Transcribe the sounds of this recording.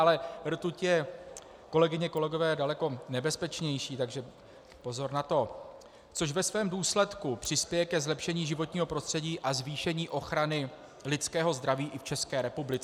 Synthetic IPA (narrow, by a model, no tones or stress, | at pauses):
alɛr̩t̪ucjɛ | ko̞lɛɡɪɲɛko̞lɛɡo̞vɛːdalɛko̞nɛbɛspɛt͡ʃɲɛjʃiːt̪aɡʒɛ | po̞zo̞ɾnat̪o̞ | t͡so̞ʃvɛsvɛːmduːslɛt̪kupr̝̥ɪspjɛjɛkɛzlɛpʃɛɲiːʒɪvo̞t̪ɲiːɦo̞pɾo̞st̪r̥ɛɟiːʔazviːʃɛɲiːʔo̞xɾanɪ | lɪt͡skɛːɦo̞zd̪ɾaviːʔɪft͡ʃɛskɛːɾɛpublɪt͡sɛ